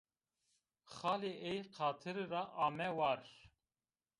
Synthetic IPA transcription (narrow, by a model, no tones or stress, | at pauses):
xɑːleʔejqʰɑːt̪ʰɨɾɾɑʔɑːmɛwɑɾ